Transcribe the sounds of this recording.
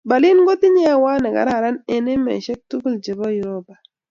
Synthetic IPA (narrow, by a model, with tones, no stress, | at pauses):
ba˨lɪ˦nɡo˦tɪ˦ɲɛ˦wa˦nɛ˨ka̰˨ɾa˨ɾa˦ne˨ne˦mɛ̰˨ʃɛ˦k̚tu˦kld͡ʒe˨bɔ˦ji˨ɾo˦ba˨